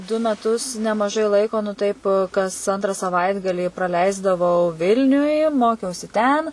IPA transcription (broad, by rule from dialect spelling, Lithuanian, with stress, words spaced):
dʊ mʲɛˈtʊs nʲɛmɐˈʒɐɪ ˈlˠɐɪkoː nʊ tɐɪp kɐs ˈɐntrɐ sɐˈʋɐɪdɡɐlʲiː prɐˈlʲɛɪzdɐʋɐʊ ˈʋʲɪlʲnʲʊj ˈmoːkʲɛʊsʲɪ ˈtʲɛn